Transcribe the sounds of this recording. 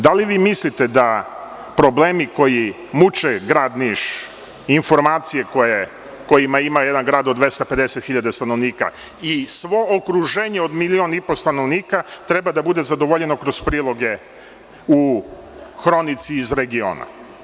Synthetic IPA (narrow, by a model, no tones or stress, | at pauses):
d̪aliʋiːmislit̪e̞d̪a | pɾo̞bleːmiko̞ji | mut͡ʃeɡɾaːd̪niːʃ | info̞ɾmaːt̪sijekoje | ko̞jimaimajed̪anɡɾaːd̪od̪ʋe̞st̪aped̪eset̪xiʎad̪est̪anoʋniːka̰ | isʋo̞okɾuʒe̞ːɲe̞o̞d̪milio̞nipo̞st̪anoʋniːkat̪ɾe̞bad̪abud̪ezad̪o̞ʋoʎe̞no̞kɾo̞spɾiːlo̞ɡe̞ | u | xɾo̞nit̪siːzɾe̞ɡio̞̰ːna̰